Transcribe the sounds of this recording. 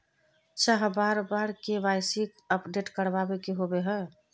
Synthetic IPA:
t͡ʃaɦbaɾbaɾkeʋajsik | əpɖeʈkəɾbabekeɦobeɦɛː

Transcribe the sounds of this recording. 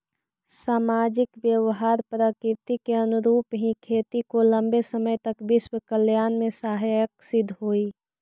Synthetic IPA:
saːmaːd͡ʒɪkbjəʋɦaːɾpɾəkɪt̪ikeɐnʊɾuːpɦĩkʰeːt̪ikolə̃mbesəməjt̪əkbɪʃwəkəljaːnmẽsaːɦjjəksɪd̪ʱɦoːiː

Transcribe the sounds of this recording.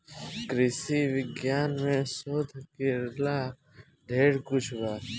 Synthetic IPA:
kɾɪsiːʋɪɡjaːnmẽːsoːd̪ʱkeɾlaː | ɖʱeːɽkʊt͡ʃʰbaː

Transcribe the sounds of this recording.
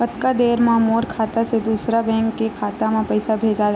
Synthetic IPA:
pɐt̪kad̪eːɾmãmoːɾkʰaːt̪ased̪uːsɾabɛ̃ːŋkːekʰaːt̪amãpɐɪsabʱeːd͡ʒa

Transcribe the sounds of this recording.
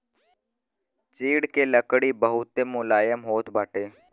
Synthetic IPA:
t͡ʃiːɽkeːləkɽiːbəɦʊt̪ːeːmʊlaːjəmɦoːt̪baːʈeː

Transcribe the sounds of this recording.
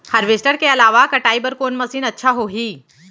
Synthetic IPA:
hɐɾʋɪsʈəɾkeɐlaːʋakɐʈaːibɐɾkoːnmɐsiːnɐtːʃʰaɦoːɦiː

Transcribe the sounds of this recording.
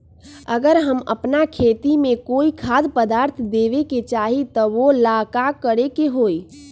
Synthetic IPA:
əɡəɾɦəmə̰pnakʰeːt̪imẽkoːikʰad̪pəd̪aːɾt̪ʰd̪eʋeket͡ʃaːɦit̪ɔʋolaːkakəɽekeɦoːi

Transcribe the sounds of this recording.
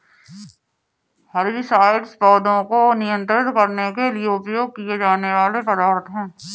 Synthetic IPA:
hɐɾisaːɪɖspɔːd̪õkonɪjə̃nt̪ɾɪt̪kɐɾnekelieʊpjoːɡ̚kied͡ʒaːneʋaːleqɐɾaːɾət̪ɦɛ̃ː

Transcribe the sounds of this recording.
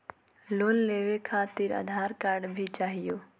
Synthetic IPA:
loːnleːʋekʰaːt̪ɪɾɐ̰d̪ʱaːɾkaːɾɖbʱit͡ʃaːɦijoː

